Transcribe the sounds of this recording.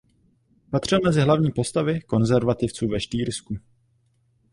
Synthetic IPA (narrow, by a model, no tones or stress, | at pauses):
pat̪r̝̥ɪlmɛzɪɦlavɲiːpo̞st̪avɪko̞nzɛɾvat̪ɪft͡suːvɛʃt̪iːɾsku